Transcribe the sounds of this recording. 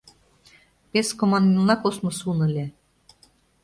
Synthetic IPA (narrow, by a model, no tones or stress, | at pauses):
peskomɑnd̪inlɑkosmosunɤlʲe